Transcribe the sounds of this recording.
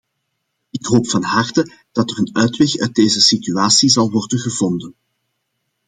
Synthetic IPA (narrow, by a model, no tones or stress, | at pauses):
ɪkɦoːpfɑnɦɑrtə | d̥ɑtərənœːtʋɛxœ̰ːt̚deːzəsityaːsizɑlˠʋɔrdənɣəvɔndən